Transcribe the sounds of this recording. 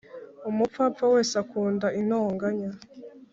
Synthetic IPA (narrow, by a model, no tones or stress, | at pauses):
umup̪fapfawe̞ːsakuːndaʔin̥oːŋɡaɲa